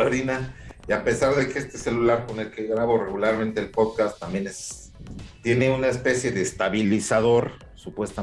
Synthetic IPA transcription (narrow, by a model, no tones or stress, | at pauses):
oɾinaiape̞saɾðe̞keest̪e̞se̞lulaɾko̞ne̞lkeɣɾaβo̞re̞ɣulaɾment̪e̞ːlpo̞ðkast̪ːambje̞nes | t̪je̞ne̞unaespe̞sje̞ðe̞ːst̪aβilisaðo̞ɾ | supwe̞st̪a